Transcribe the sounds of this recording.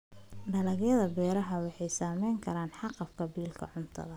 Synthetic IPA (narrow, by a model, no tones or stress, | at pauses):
ɖɐlɐɣjɐðɐbɛːɾɐɦɐwɑħɑjsaːmɛjŋkʰɐɾaːnħɑqɑfkʰɐbiːlkʰɐ̰ʕʊnt̪ʰɐ̰ðɐ